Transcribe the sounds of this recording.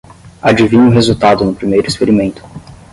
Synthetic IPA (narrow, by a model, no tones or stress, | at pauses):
ad͡ʒivĩɲʊ̃ɦezuwt̪ad̪ʊnʊpɾimejɾʊispeɾimẽnt̪ʊ̥